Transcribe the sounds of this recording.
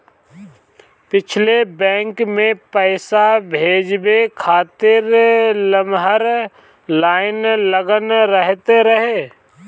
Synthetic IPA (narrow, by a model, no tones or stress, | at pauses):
pɪt͡ʃʰlebɛ̃ːŋkmẽpəɪsabʱeːd͡ʒbekʰaːt̪ɪɾləmɦəɾ | laːɪnləɡənɾəɦt̪eɾəɦeː